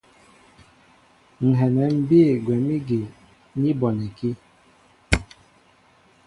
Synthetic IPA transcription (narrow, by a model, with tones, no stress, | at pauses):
ŋ̩˨ɦɛ˨nɛ˨m̩˨˦bi˦˨ɡwɛ˨mi˦ɡe˨ | ni˦bɔ˨nɛ˨ki˦